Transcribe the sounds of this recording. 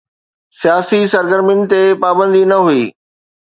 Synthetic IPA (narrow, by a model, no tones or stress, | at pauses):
sijaːsisɐɾɡəɾmɪnɪ̆t̪epaːbə̃nd̪inɐɦuiː